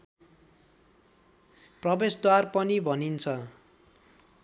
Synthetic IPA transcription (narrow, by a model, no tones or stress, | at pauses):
prʌbesd̪warpʌnibʱʌnint͡sʰʌ